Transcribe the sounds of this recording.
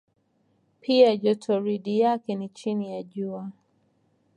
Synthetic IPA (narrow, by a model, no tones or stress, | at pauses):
pʰiaʄɔtʰɔɾiɗijakɛnit͡ʃinijaʄua